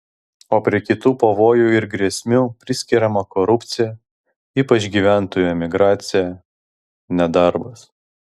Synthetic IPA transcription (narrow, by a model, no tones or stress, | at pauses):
oːpʲɾʲiɛkʲɪt̪uːpɐʋoːjuːɪɾɡɾʲɛsʲmʲuːpʲɾʲɪsʲkʲɪɾʲɛmɐkɔɾʊpʲt̪sʲɪjɛ | iːpɐt͡ʃɡʲiːʋʲæˑnt̪oːjuːɛmʲɪɡɾɑːt̪sʲɪjæ | nʲɛd̪ɐɾbɐs